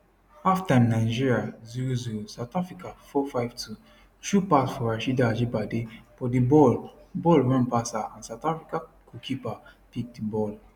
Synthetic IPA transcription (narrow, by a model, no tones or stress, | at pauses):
aftanaɪd͡ʒiɹiaziɹoziɹosaʊtafɹikafɔfajv̥tʰu | ʃupasfɔaʃidad͡ʒibadefɔdibɔlbɔlɹãnpasaãnsaʊtafɹikakʰukʰipapik̚dibɔl